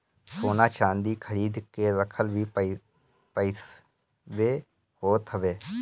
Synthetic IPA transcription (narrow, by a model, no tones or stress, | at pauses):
soːnaːt͡ʃãːnd̪iːkʰəɾiːd̪keːɾəkʰəlʋiː | pəi | ʋeː | hoːt̪ɦəʋeː